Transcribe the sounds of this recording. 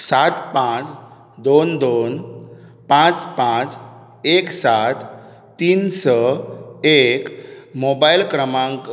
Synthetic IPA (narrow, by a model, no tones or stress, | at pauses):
sat̪pãt͡s | d̪ond̪onpãt͡spãt͡s | eksat̪ | t̪iːnsə | ekmobajlkɾəmãŋk